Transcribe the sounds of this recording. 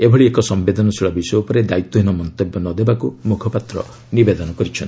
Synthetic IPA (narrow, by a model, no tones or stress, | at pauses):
ebʱɔɭiekɔsɔmbed̪ʱɔnɔsʰiɭɔbisɔjupɔɾed̪ait̪ːɔɦinɔmɔnt̪ebjɔnɔd̪ebakumukʰɔpat̪ɾɔ̰ | nibed̪ɔnɔkɔɾit͡ʃʰɔn